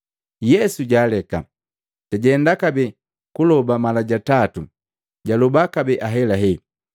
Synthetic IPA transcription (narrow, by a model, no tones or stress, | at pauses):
jɛsuɟaːlɛka̰ | taɟɛndakabɛ | kulɔbamalaɟatatu | ɟalɔbakabɛʔaɦɛlaɦɛ